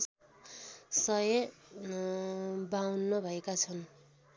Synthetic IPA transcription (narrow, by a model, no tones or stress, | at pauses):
sʌje | bawnːʌbʱʌekat͡sʰʌn